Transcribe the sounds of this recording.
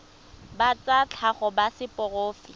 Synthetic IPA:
bat͡sat͡ɬʰaχɔbasɪpʼɔroːfi

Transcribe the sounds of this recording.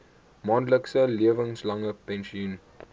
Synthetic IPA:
mɑːndləksəliəvəŋslɐŋəpɛnʃiun

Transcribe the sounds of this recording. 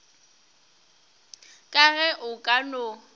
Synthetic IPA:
kʼaɣɛʔʊkʼano

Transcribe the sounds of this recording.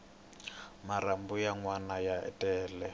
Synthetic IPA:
maɾambujaŋwanajaɛ̰tʼɛːlɛ

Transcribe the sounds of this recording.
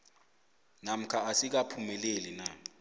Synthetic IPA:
nam̩kʰaasik̬apʰumɛlelina

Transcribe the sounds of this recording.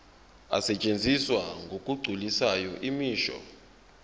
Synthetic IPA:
a̰sɛt͡ʃʼend͡zʱiswaŋɡʱokʼuɡ͡ǀʱulisajɔʔimiːʃɔ̰

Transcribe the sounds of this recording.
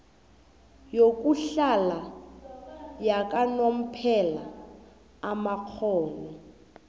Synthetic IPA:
jokʼuɬala | jakʼanom̩pʰɛla | amaq͡χʰɔːŋɔ

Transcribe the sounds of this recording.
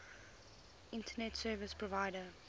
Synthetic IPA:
ɪ̃ntʰənɛtsɜːvɪspʰɹɔvaɪdə

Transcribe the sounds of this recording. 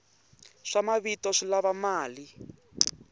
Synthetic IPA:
ʂamaβitɔʂilaβamaːli

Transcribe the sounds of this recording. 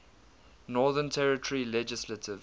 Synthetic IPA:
nɔːðə̃ntʰɛɹɪtʰəɹilɛd͡ʒɪslətʰɪv

